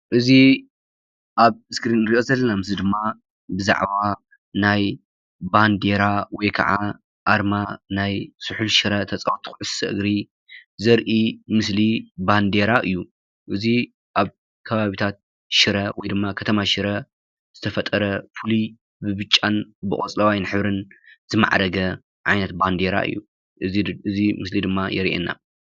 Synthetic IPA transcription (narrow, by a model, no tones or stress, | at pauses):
ʔɨzi | ʔaβɨskɾinɨɾiʔo̞zɐlːɐnamɨsid̪ɨmːa | bɨza̰ʕβa | naj | band̪e̞ɾawɔjkʰɐ̰ʕa̰ | ʔaɾmanajsɨħulʃɨɾɐt̪ʰɐt͡sʼɐwt̪ʰu̥xʕɨssɐʔɨ̰ɡɾi | zɐɾʔimɨsliband̪e̞ɾaʔɨjːu | ʔɨzi | ʔaβ | kʰɐβaβit̪ʰat̪̚ | ʃɪɾɐwɔjd̪ɨmːakʰɐt̪ʰɐmaʃɪɾɐ | z̥ɨt̪ʰɐfɐt̪ʼːɐɾɐfɨli | bɨβɨt͡ʃʼːanbɨχʼɔt͡sʼlɐwajnħɨβɾɨnzɨma̰ʕɾɐɡɐ | ʕa̰jnɐt̪̚band̪eɾa̰ʔɨ̰jːṵ | ɨɨzimɨslid̪ɨmːajɛɾiʔḛnːa̰